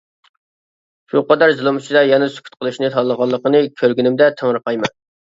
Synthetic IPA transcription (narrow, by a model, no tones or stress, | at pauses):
ʃuqɑd̪ɑɾzɨlˠɨmyt͡ʃʰid̪ɑjɛnɨsy̥kʲʰy̥t̪̚qʰəlˠɨʃnɨt̪ʰɑlːˠəʁɑlˠːəqənɨkʲʰøɾɡʲynymd̪ɛt̪ʰəŋɾəqɑjmɑn